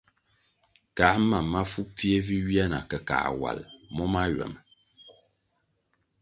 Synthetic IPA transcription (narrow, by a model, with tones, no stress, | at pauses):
ka˨˦ma˨ma˦fu˦p͡fi˦e˦vi˦ɥi˦a˦na̰˨kə˨ka̰ː˨wa̰˨lmɔ˦ma˦ɥɛ̰˨m